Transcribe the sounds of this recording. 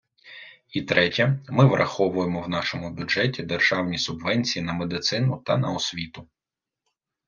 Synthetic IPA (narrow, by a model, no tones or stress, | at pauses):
it̪ɾɛtʲɐmɪʋrʔɐ̰xɔʋʊjemɔwnɑʃɔmʊbʲʊʒɛtʲid̪erʒ̥ɑwnʲisʊbʋɛnʲt͡sʲijinɐmed̪ɪt̪sɪnʊt̪ɐnɐɔsʲʋʲit̪ʊ